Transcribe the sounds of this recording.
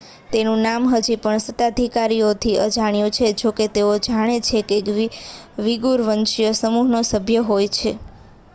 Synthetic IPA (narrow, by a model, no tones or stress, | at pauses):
t̪enũnamɦəd͡ʒipəɳsət̪ad̪ʱikaɾijot̪ʰiəd͡ʒaɽ̃jũt͡ʃʰed͡ʒoket̪eod͡ʒaɽ̃et͡ʃʰekeʋiʋiɡuɾʋənʃjəsəmuɦnosəbʱjəɦojt͡ʃʰe